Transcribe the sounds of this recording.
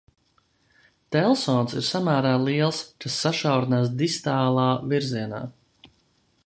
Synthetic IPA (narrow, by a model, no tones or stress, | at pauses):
t̪ɛlˠsɔːnsḭɾsamæːɾaːlˠiɛlˠskasːaʃawɾinaːsd̪ist̪aːlˠaːviɾziɛna̰ː